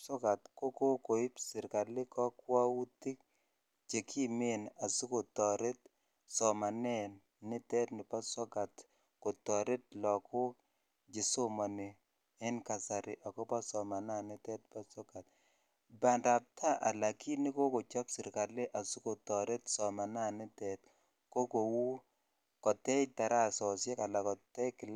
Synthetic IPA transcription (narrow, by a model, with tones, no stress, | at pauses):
sɔ˦ɡa˨tko˦ko˦ko˨ɪ˦psɪ˨ɾka˨lɪ˦kɔ˦kwa˦wu˦ti˦k̚ | d͡ʒe˨kʰi˦me˦na˨su˦ko˨tɔ˨ɾe˦t | sɔ˨ma˨nɛ˦n | nɪ˦tɛ˦tnɪ˨pa˦sɔ˦ɡa˨t | ko˨tɔ˨ɾe˦t̚lɔ˨ko˦ | d͡ʒɪ˨so˦ma˨ne˨ | ɪ˦nka˨sa˨ɾɪ˨ʔa˨kɔ˦pa˦sɔ˨ma˨na˦nɪ˦tɛ˦tpa˦sɔ˦ɡa˨t̚ | ba˨nda˨p̚tʰa˦ʔa˨la˨ki˦ni˦ko˦ko˨t͡ʃɔ˦psɪ˨ɾka˨le˦ʔa˨su˦ko˨tɔ˨ɾe˦tsɔ˨ma˨na˦nɪ˦tɛ˨t̚ | ko˦ko˨wu˦ | kɔ˨tɛ˦jta˨ɾa˦sɔ˨sjɛ˦ka˨la˨kɔ˨tɛ˦kɪ˨l